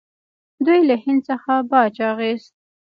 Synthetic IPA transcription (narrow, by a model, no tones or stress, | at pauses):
d̪ujlahɪnd̪səxabɑd͡ʒɑɣest̪̚